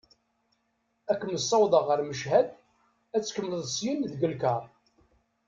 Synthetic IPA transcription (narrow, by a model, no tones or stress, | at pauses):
ækːməsˤːɑwðˤəʁəɾməʃɦæd̪ | æt͡sːkəmləðˤsjənðɡəlkɑɾˤ